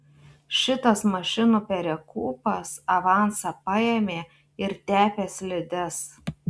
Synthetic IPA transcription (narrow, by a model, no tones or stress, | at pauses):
ʃʲɪt̪ɐsmɐʃʲɪnuːpʲɛɾʲɛkuːpɐsɐʋɑˑnsɑpɑjemʲeː | ɪɾt̪ʲæːpʲeːslʲɪd̪ʲɛs